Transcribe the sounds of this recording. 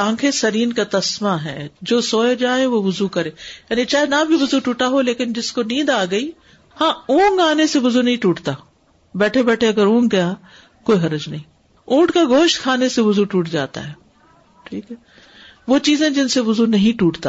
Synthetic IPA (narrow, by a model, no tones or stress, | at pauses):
ãːkʰesɐɾiːnkat̪ɐsmaɦɛ̰ːd͡ʒoːsoːjd͡ʒaːẽʋoʋʊzukɐɾeːjaːnit͡ʃaːɦenɐbʱiʋʊzuʈuːʈaɦoleːkɪnd͡ʒɪskonĩːd̪aːɡɐiː | hãːũːŋɡaːneseʋʊzunɐɦĩʈuːʈt̪aː | bɛːʈʰebɛːʈʰeɐɡəɾũːŋɡɐja | koːiɦɐɾəd͡ʒnɐɦĩː | ũːʈkaɡoːʃʈkʰaːneseʋʊzuʈuːʈd͡ʒa̰ːt̪a̰ɦɛː | ʈʰiːkɦɛ | ʋoːt͡ʃiːzẽd͡ʒɪnseʋʊzunɐɦĩʈuːʈt̪aː